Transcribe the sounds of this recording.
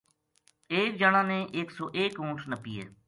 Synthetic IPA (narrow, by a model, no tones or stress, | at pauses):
eːk̚d͡ʒaːñãːnẽːʔɪksɔːʔeːkõːʈʰnəpiːɛ̰ː